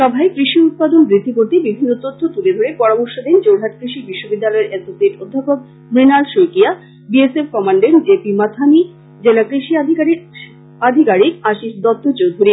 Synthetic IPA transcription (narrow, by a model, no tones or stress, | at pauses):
ʃɔbʱaekɾiʃiut̪̚pad̪onbɾit̪ʰːikoɾt̪ibibʱinːot̪ot̪ʰːot̪uled̪ʱoɾepɔɾomoɾʃod̪ent͡ɕowɾɦat̪̚kɾiʃibiʃːobid̪ːalɔeɾʔesoseʈod̪ʱːapok̚ | mɾinalʃojkia | biesefkɔmaɳɖeɳʈd͡ʑepimat̪ʰami | d͡ʑelakɾiʃiad̪ʱikaɾi | ad̪ʱikaɾikaʃiʃd̪ɔt̪ːot͡ɕowd̪ʱuɾi